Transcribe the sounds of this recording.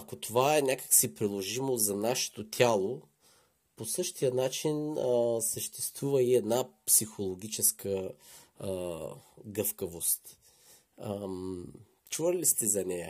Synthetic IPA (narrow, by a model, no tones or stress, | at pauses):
ɐkot̪ovaɛnʲakə̥ksipɾilˠoʒimozɐnaʃɛ̥t̪ot̪ʲʰalˠo | posɤʃt̪ijənat͡ʃinsəʃt̪ɛst̪vuvəiɛd̪napsixolˠoɡʲit͡ʃɛskə | ɡɤfkəvost̪ | t͡ʃuvəlist̪ɛzɐnɛjə